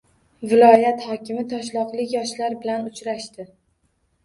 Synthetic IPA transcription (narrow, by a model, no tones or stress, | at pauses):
vɪlɒjat̪hɒkʲɪmɪt̪ʰɒʃlˠɒqlɪkʲjɒʃlaɾbɪlanʊt͡ʃɾaʃt̪ɪ